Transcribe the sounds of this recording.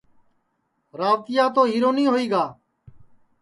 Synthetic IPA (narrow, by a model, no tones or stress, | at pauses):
ɾaːʋt̪ɪjaːt̪oːɦiːɾoːnĩːɦoːiːɡaː